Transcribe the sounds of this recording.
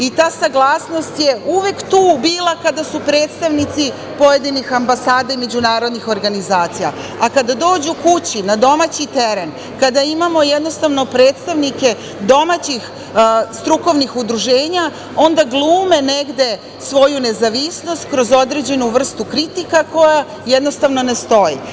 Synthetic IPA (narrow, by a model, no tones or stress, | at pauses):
it̪aːsaɡlˠaːsno̞st̪jeʔuʋe̞kt̪uːbiːlˠakad̪asupɾe̞ːt̪st̪aʋnit̪si | po̞je̞d̪inixambasaːd̪aime̞d͡ʑunaːɾo̞d̪nixo̞ɾɡanizaːt̪sija̰ | akad̪ad̪o̞ːd͡ʑukut͡ɕinad̪o̞mat͡ɕit̪eɾe̞n | kad̪aimamo̞jed̪nost̪aʋno̞pɾe̞ːt̪st̪aʋnike̞ | d̪o̞mat͡ɕix | st̪ɾuko̞ʋnixud̪ɾuʒe̞ːɲa | o̞nd̪aɡlˠuːme̞ne̞ɡd̪e̞ | sʋo̞june̞zaʋisno̞st̪kɾo̞zo̞d̪ɾe̞d͡ʑe̞nuʋr̩st̪ukɾit̪ikako̞ja | jed̪no̞st̪aʋno̞ne̞st̪o̞jḭ